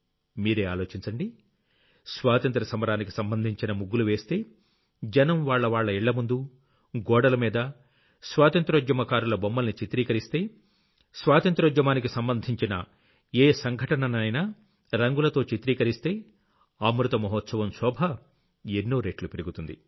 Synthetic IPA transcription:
miːɾe̞ːaːlo̞ːt͡ʃiɲt͡ʃɐɳɖi | sʋaːt̪ɐnt̪ɾɐsɐmɐɾaːnikisɐmbɐnd̪ʱiɲt͡ʃinɐmuɡːuluʋe̞ːst̪e̞ː | d͡ʒɐnɐmʋaːɭːɐʋaːɭːɐiɭːɐmund̪u | ɡɔːɽɐlɐmiːd̪ɐ | sʋaːt̪ɐnt̪ɾɐd͡ʒjɐmɐkaːɾulɐbɔmːɐlnit͡ʃit̪ɾiːkɐɾist̪e̞ː | sʋaːt̪ɐnt̪ɾɐd͡ʒjɐmaːnikisɐmbɐnd̪ʱiɲt͡ʃinɐ̰ | eːsɐŋɡʱɐʈɐnɐnɐjnaː | ɾɐŋɡulɐt̪o̞ːt͡ʃit̪ɾiːkɐɾist̪e̞ː | aːmɾut̪ɐmɐɦɔt̪sɐʋɐmsɔːbʱɐ | enːoːɾeːʈlupiɾiɡut̪und̪ḭ

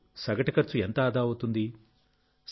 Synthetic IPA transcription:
sɐɡɐʈɐkɐɾt͡ʃuent̪ɐːd̪aːut̪und̪i | s

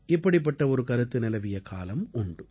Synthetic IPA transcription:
ɪpːɐɽɪp̬ːɐʈːɐɔɾɯkɐɾɯt̪ːɯnɪlɐʋɪjɐkʰa̰ːlɐmʊɳɖɯ

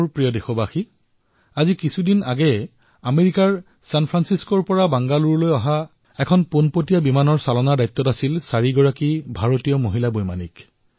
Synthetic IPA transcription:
ɹpɹijɔdexɔbaxi | azikisʰudinaɡɛ | ameɹikaɹ | sanpʰɹansiskɔɹpɔɹabaŋɡaluɹlojɔɦa | ɛkʰɔnponpotijabimanɔɹsalɔnadajt̪ːɔtasilsaɹiɡɔɹakibʱaɹotijɔmoɦilabojma̰nḭk

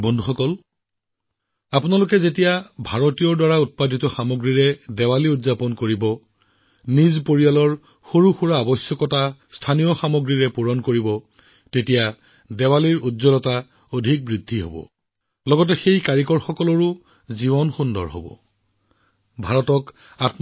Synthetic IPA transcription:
bɔndʱuxɔkɔl | apʊnalʊkɛzetijabʱaɹotijɔɹdwaɹaut̚padʱitɔxamoɡɹiɹɛdɛwaliudzapɔnkoɹibɔ | nizpoɹijalɔɹ | xoɹuxuɹaːbɔsjɔkɔtastʰanijɔxamoɡɹiɹɛpuɹɔnkoɹibɔ | tetija | dɛwaliɹutzɔlɔta | odʱik̚bɹidʱːiɦo̰bɔ̰ | lɔɡɔt̬ɛxejkaɹikɔɹxɔkɔlɔɹʊ | zibɔnxundɔ̰ɹɦo̰bɔ̰ | bʱaɹɔtɔk | at

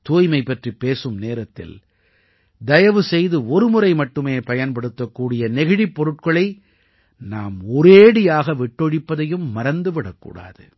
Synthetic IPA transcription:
t̪uːjmɐɪpːɐʈripːeːsɯmneːɾɐt̪ːɪ̰l | d̪ɐjɐʋɯsɛjðɯɔɾɯmʊrɐɪmɐʈːɯmeːpɐjɐnpɐɽɯt̪ːɐkːuːɽɪjɐnɛɣɪɽipːɔɾɯʈ̚kɐɭɐɪ | naːmɔɾeːɽɪjaːɣɐʋɪʈːɔɻɪpːɐðɐjɯmːɐɾɐnd̪ɯʋɪɽɐkːṵːɽa̰ːðɯ̰

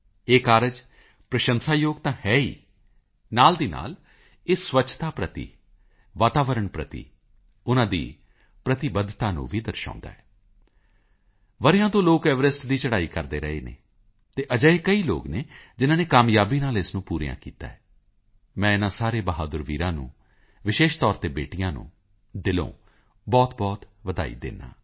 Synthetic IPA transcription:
eːkaːɾəd͡ʒ | pɾəʃənsaːjoːɡt̪ãːhɛːḭː | naːld̪iːna̰ːl | eːsʋətːt͡ʃʰt̪aːpɾət̪ḭː | ʋaːt̪aːʋəɾəɳpɾə̰t̪ḭː | ʊnãːd̪ḭː | pɾət̪ɪbəd̪ʱt̪aːnṵ̃ːʋiːd̪əɾʃã̰ːnd̪a̰ːɛː | ʋəɾjãːt̪õːloːkɛːʋəɾɪsʈd̪iːt͡ʃəɽaːiːkəɾd̪eːɾəɦḛːnḛː | t̪eːʔəd͡ʒəeːkəiːlo̰ːɡneːd͡ʒɪnãːneːkaːmjaːbiːnaːlɪsnũːpuːɾijã̰ːkḭːt̪a̰ːɛː | mɛ̃ːɪnãːsaːɾeːbəɦaːd̪əɾʋiːɾãːnṵ̃ː | ʋɪʃeːʃt̪ɔːɾt̪eːbeːʈɪjãːnṵ̃ː | d̪ɪlõ̰ː | bɔːt̪bɔːt̪ʋəd̪a̰ːḭːd̪ḛːna̰ː

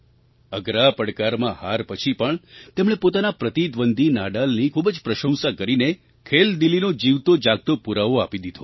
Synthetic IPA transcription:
əɡɾapəɽkaɾmãhaɾpət͡ʃʰipəɳt̪emɳ̃epot̪anapɾət̪id̪ʋənd̪ʱinaɖalnikʰubəd͡ʒpɾəʃə̃w̃sakəɾine | kʰeld̪ilinod͡ʒiʋt̪od͡ʒaɡ̚t̪opuɾaʋoapid̪id̪ʱo

